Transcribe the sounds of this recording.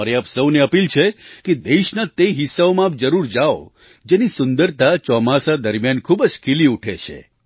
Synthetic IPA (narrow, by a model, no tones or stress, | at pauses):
aɾeapsəwneəpilt͡ʃʰeked̪eʃnat̪eɦisːaomãap̚d͡ʒəɾuɾd͡ʒao̰ | d͡ʒenisʊnd̪əɾt̪at͡ʃɔmasad̪əɾmjankʰubd͡ʒkʰiliuʈʰet͡ʃʰḛ